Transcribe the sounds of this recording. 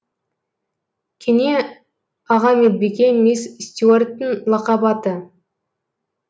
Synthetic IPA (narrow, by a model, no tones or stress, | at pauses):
kʲʰenʲe | ɑʁɑmelbʲiɡʲemessʲt̪ʲuorʲt̪ːɪnlˠɑqɑbɑt̪ə